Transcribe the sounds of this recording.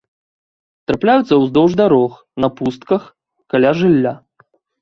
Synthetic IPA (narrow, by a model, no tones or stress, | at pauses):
t̪ɾaplʲajut̪sːɐwzd̪ɔwʐd̪aɾɔx | nɐpust̪̚kɐx | kalʲaʐɨlʲːa